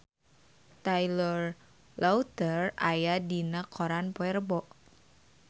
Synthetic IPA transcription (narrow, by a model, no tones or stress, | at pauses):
t̪ajlɔr | laut̪ərajadinakʰɔɾanpɔɛrbɔʔ